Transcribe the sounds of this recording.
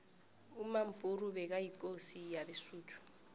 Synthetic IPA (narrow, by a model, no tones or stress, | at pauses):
umam̩pʼurubɛk̬ajikʼosijabɛsuːtʰu̥